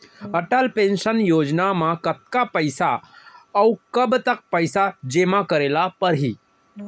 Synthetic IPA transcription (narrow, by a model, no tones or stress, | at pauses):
əʈəlpẽnʃənjoːd͡ʒnamãkət̪̚kapəɪsaəukəbt̪ək̚pəɪsad͡ʒeːmãkəɾeːlapəɾɦiː